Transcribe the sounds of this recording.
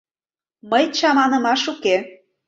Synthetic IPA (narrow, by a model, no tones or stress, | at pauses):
məjt͡ɕɑmɑnə̆mɑʃuke